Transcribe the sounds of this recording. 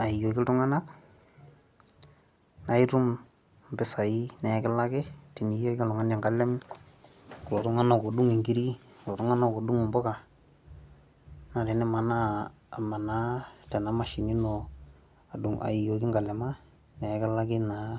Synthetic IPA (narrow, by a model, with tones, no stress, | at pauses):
a˨i˨jo˨kɪ˦tʊ˦ŋa˦na˦k | na˦i˦ɾu˦m | m˨bɪ˦sa˨i˦nɛ˨˦kɪ˦la˦kɪ˦ti˨ni˨jo˦ka˦lɔ˨ŋa˦nja˨ŋɡa˦lɛ˦m | kʊ˨lɔ˨tʊ˦ŋa˦na˨ko˨du˦ŋɪ˨ŋɡi˦ɾi˦klɔ˨tʊ˦ŋa˦na˦ko˨du˦ŋ˨mbɔ˦ka˨ | na˨ɾe˨nɛ˦ma˨naː˦˨ | ma˨na˨˦tɛ˨na˨˦ma˨ʃi˨ni˦no˨ | a˨du˨ŋa̰˨i˨jo˨ki˦ŋɡa˨lɛ˨ma˦ | nɛ˨˦kɪ˦la˦kɪ˦na˨˦